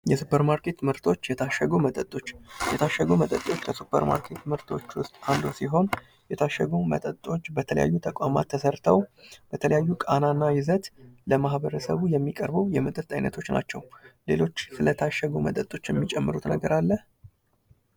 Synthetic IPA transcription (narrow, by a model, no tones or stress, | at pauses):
jɛsupəɾmaɾkʰe̞t̪mɨɾt̪ʰo̞t͡ʃːjɛt̪ʰaʃəɡomət̪ʼət̪ʼːo̞t͡ʃːjɛt̪ʰaʃːəɡomət̪ʼət̪ʼo̞t͡ʃːkʰəsupʰə̰ɾma̰ɾkʰe̞t̪mɨɾt̪ʰo̞t͡ʃːwʊst̪ʼand̪osiɦo̞n | jɛt̪ʰaʃːəɡumə̰t̪ʼət̪ʼo̞t͡ʃːbət̪ʰələ̰ja̰jːut̪ʰəkʷʼama̰t̪ʰːəsəɾt̪ʰəwb̥ət̪ʰələjajːukʼananːajɪzət̪ləmahbəɾəsəβujɛmːikʼəɾbəwjɛmət̪ʼət̪ʼːajnət̪ʰo̞t͡ʃːna̰t͡ʃːɛwle̞̰lo̞t͡ʃːsɨlət̪ʰaʃːəɡomət̪ʼət̪ʼo̞t͡ʃːjɛmːit͡ʃʼɛmːɨɾut̪nəɡəɾalːəh